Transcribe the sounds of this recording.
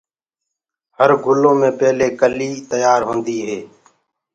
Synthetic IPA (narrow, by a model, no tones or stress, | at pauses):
həɾɡʱʊlõːmẽːpeːleːkəliːt̪əjaːɾɦõːnd̪iːɦeː